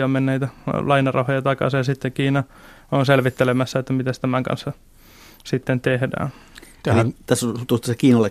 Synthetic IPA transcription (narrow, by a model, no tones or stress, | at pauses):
ommenːeit̪ælɑinɑrɑhojɑt̪ɑkɑ̰sejɑsit̪ːekiːnɑ | onselʋit̪ːelemæsːæet̪ːæmit̪æst̪æmæŋkɑ̰nsːɑ | sit̪ːent̪ehdæ̰ːnt̪æt̪æsːt̪ust̪ɑsekiːnɑlːe